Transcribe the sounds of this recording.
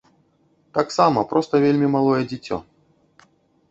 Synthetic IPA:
t̪aksamɐpɾʔɔst̪ɐvʲelʲmʲimalˠɔjɛd͡zʲɪt͡sʲɔ̰

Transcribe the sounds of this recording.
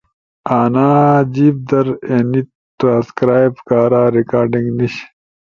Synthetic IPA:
aːnaːd͡ʑiːb̚d̪ɐɾeːnit̪ | ʈɾãːskɾaːjbkaːɾaːɾikaːɾɖĩŋɡniɕ

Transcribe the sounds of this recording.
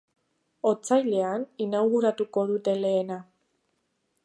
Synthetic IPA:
o̞t͡sajle̞aninawɣuɾat̪uko̞ðut̪e̞le̞ːna

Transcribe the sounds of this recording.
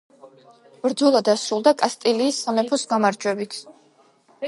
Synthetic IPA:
b̥ɾd̪zɔlˠad̪asɾulˠd̪akʼast̪ʼiliːsːamɛpʰɔsɡamaɾd͡ʒwɛbit̪ʰ

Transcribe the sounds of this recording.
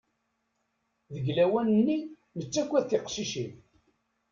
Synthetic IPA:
ðəɡlæwænənːi | nət͡sːækʷːæðθɪqʃiʃiθ

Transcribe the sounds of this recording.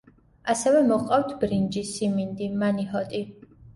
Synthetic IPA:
asɛvɛmɔqʼawt̪ʰbɾind͡ʒisimind̪imaniɦɔt̪ʼi

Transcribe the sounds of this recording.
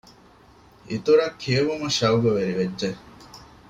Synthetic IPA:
it̪uɾɐkʰːieʋumuʃɐuɡoʋeɾiʋedːd͡ʒe

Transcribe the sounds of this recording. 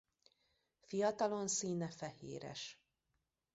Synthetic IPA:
fijɒt̪ɒlo̞nsiːnɛfɛhḛːɾɛ̰ʃ

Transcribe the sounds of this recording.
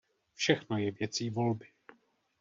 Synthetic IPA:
fʃɛxnojɛvjɛt͡siːvo̞lbɪ

